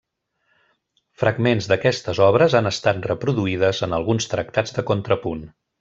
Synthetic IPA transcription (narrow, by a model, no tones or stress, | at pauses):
fɾəɡmenzðəkɛst̪əzɔβ̞ɾəzanəst̪at̪̚rəpɾuðuið̞əzənəlˠɣunst̪ɾək̚t̪ad͡zd̪əkont̪ɾəpun